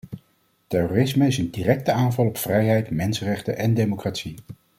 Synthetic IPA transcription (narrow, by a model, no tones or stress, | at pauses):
tɛroːrɪsməɪsəndirɛk̚təaːnvɑlˠɔpfrɛjɦɛjtmɛnsərɛχtəʔɛndejmokraːtsi